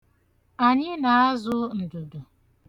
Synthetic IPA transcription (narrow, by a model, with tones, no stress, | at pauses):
a˨ɲɪ˦na˨a˦zʊ˦n̩˨du˨du˨